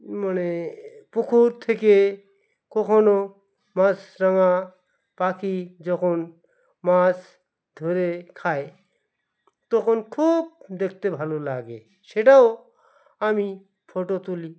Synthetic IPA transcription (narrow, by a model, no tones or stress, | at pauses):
mənepukʰuɾt̪ʰeke | kɔkʰɔno | masɾəŋa | pakid͡ʒɔkʰon | mas | d̪ʱoɾekʰae | t̪ɔkʰonkʰuːb̚d̪ekʰt̪ebʱalolaɡḛ | seʈao | ami | pʰoʈot̪uli